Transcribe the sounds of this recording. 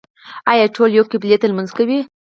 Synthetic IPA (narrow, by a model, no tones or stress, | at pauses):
ajaʈʰoljokːeblet̪əlmanzkawi